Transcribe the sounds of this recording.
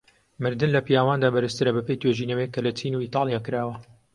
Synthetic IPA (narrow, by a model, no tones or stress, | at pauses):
mɨɾd̪ɨnlɐpijaːwaːnd̪aːbɐɾɨst̪ɨɾɐbɐpejt̪ʰweʒiːnɐwekːɐlɐt͡ʃʰiːnuiːt̪ɑːlˠijaːkɨɾaːwɐ